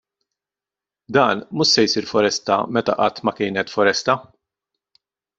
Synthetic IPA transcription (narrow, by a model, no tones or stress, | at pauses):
d̪ɐːnmʊʃsɛjsiːɾfɔɾɛst̪ɐ̰mɛt̪ɐ̰ʔɐt̪ːmɐkɪːnɛt̪fɔɾɛst̪ɐ